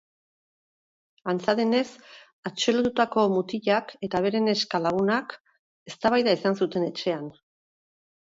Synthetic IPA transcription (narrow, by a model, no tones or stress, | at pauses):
ant͡saðene̞s | at͡ʃelot̪ut̪ako̞mut̪iʎake̞t̪aβ̞e̞ɾe̞ne̞skalaɣ̞unak | e̞st̪aβajðaisansut̪e̞ne̞t͡ʃe̞an